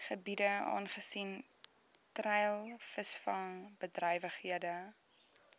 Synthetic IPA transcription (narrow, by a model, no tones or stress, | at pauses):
χəbidəɑ̰ːnχəsin | trɛjlˠfəsfɐŋbədrɛjvəχhiədə